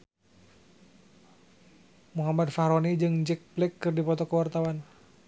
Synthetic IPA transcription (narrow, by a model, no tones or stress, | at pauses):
muɦamad̪̚fahɾɔnid͡ʒɨŋd͡ʒɛk̚plɛkːɨrdipɔt̪ɔkəwart̪awan